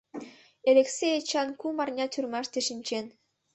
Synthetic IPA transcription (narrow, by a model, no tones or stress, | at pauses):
elʲeksʲejet͡ɕɑnkumɑrnʲɑt̪ʲʰyrmɑʃt̪eʃɘ̆nʲt͡ɕen